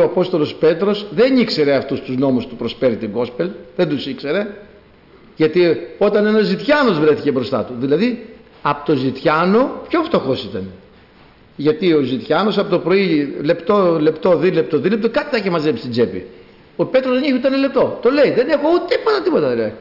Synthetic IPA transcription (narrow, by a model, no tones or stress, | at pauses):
oɐpo̞st̪olo̞spe̞t̪ɾo̞sðenikse̞ɾe̞ɐft̪ust̪uzno̞must̪upɾo̞sfeɾit̪iɡo̞spelðend̪usikse̞ɾe̞ | ʝɐt̪io̞t̪ɐne̞nɐzit̪çɐno̞zvɾe̞θicebɾo̞st̪ɐ̰t̪uðilɐði | ɐpot̪o̞zit̪çɐno̞pço̞ft̪o̞xo̞sit̪ɐn | ʝɐt̪io̞zit̪çɐno̞sɐpot̪opɾo̞ile̞pt̪o̞le̞pt̪o̞ðilep̚t̪oðilep̚t̪okɐt̪i̥θɐcemɐzepist̪id͡zepḭ | ope̞t̪ɾozðeniçut̪ɐenɐlep̚t̪o̞t̪o̞le̞iðe̞ne̞xout̪ipot̪ɐt̪ipo̞t̪ɐðilɐði